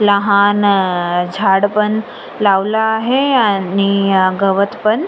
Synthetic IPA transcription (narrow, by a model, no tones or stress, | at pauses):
laɦaːnd͡ʒʱaːɽpɐn | laːʋlaɦeaniɡɐʋət̪pɐn